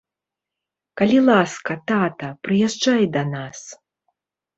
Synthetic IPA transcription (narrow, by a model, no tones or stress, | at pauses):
kɐlʲilˠaskɐt̪at̪ɐpɾɨjɛʐd͡ʐajd̪ɐnas